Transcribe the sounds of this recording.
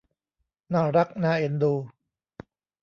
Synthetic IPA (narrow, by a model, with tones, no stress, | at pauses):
naː˧˩ɾa˦˥k̚naː˧ʔe˧nd̪uː˧